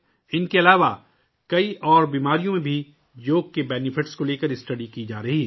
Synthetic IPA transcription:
ɪnkeɐlaːʋa | kɐiʔɔːɾbiːmaːɾijõmẽbʱi | d͡ʒoːkkːebɛːnɪfʰɪʈskoleːkəɾɪsʈɐɖikid͡ʒaːɾɐɦiː

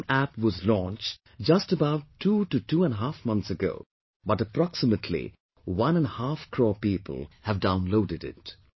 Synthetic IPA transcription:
æpwɔzlɔ̃nt͡ʃ | d͡ʒʌstəbaʊtʰːututuə̃nɦæfmʌ̃nt̪sɨɡo̰ʊ | bʌtəpɾɑksɨmətʰlḭ | wʌ̃nə̃nhafkʰɹɔːpipə̰l̩ˠhɨvdãʊ̃nloʊdɨɾɪ̰t̚

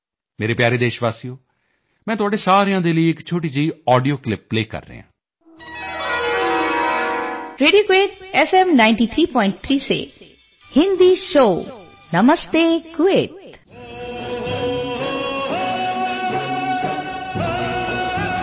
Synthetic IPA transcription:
meːɾeːpjaːɾeːd̪eːʃʋaːsijoː | mɛ̃ːt̪ʊaːɖeːsaːɾijãːd̪eːləiːɪkt͡ʃʰoːʈiːd͡ʒiːɔːɖijoːklɪpːleːkə̰ɾːə̰ːã̰ː | ɾeːɖijoːkeːʈɛfɛmnaɪ̃ɳʈiːt̪ʰɾiːpɔːɪ̃ɳʈ̚t̪ʰɾiːsḛː | hɪ̃nd̪iːʃoː | nəməst̪eːɡʊeːt̪

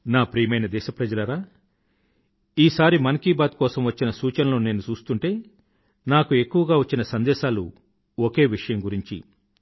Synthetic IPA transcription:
naːpɾiːjɐmɐjnɐd̪ɛːʃɐpɾɐd͡ʒɐlɐɾaː | iːsaːɾimɐnkiːbaːt̪̚kɔːsɐmʋɐt͡ʃːinɐsuːt͡ʃɐnɐlo̞ːne̞ːnut͡ʃuːst̪uɳʈe̞ː | naːkue̞kːuʋɐɡaːʋɐt͡ʃːinɐsɐnd̪ɛːʃaːlṵ | oke̞ːʋiʂɐjɐmɡuɾiɲt͡ʃḭ

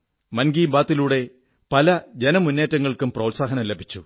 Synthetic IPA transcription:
mɐnɡiːmbaːt̪ːiluːɽe̞ | pɐlɐd͡ʑenɐmunːeːtːɐŋːɐɭkumprɐwtsaːɦɐnɐmlebʱit͡ɕːu

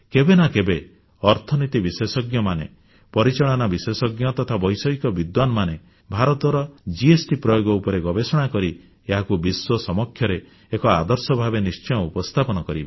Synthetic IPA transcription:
kebenakebe | ɔɾt̪ʰɔnit̪ibisesɔɡjɔmanḛ | pɔɾit͡ʃaɭɔnabisesɔɡjɔt̪ɔt̪ʰabɔjsɔikɔbid̪wanɔmane | bʱaɾɔt̪ɔɾɔd͡ʒiesʈipɾɔjoɡɔupɔɾeɡɔbesɔɽ̃akɔɾi | eɦakubiswɔsɔmɔkʰːjɔɾeː | kɔad̪ɔɾsɔbʱabenist͡ʃɔj̃ɔ̃upɔst̪ʰapɔnɔkɔɾibe

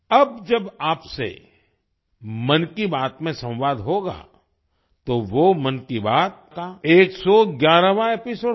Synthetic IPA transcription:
ɐbd͡ʒɐbaːpsḛ | mɐnkibaːt̪mẽsɐ̃wʋaːd̪ɦoːɡa̰ː | t̪oʋomɐnkibaːt̪̚kaeːksɔɡjaːɾaʋãepɪsoː

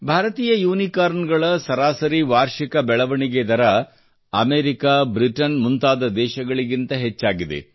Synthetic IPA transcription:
bʱaːɾɐt̪iːjɐjuːnikaːɾnɡɐɭɐsɐɾaːsɐɾiʋaːɾʃikɐbɛɭɐʋɐɳiɡed̪ɐɾɐ | ɐmeːɾikaːbɾiʈɐnmunt̪aːd̪ɐd̪ɛːʃɐɡɐɭiɡint̪ɐɦet͡ʃːaːɡid̪ḛ

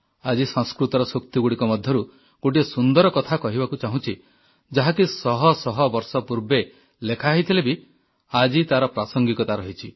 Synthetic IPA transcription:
ad͡ʒisɔ̃skɾut̪ɔɾɔsok̚t̪iɡuɽikɔmɔd̪ʱjɔɾu | ɡ̥oʈiesund̪ɔɾɔkɔt̪ʰakɔɦibakut͡ʃaɦũt͡ʃʰi | d͡ʒaɦakisɔɦɔsɔɦɔbɔɾsɔpuɾbe | lekʰaɦit̪ʰilebi | ad͡ʒit̪aɾɔpɾasɔŋɡikɔt̪aɾɔɦit͡ʃʰi

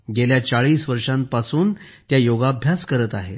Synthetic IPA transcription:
ɡeljat͡saɭiːsʋəɾʂãmpasuːnt̪jajoɡaːbʱjaskəɾət̪aɦḛ

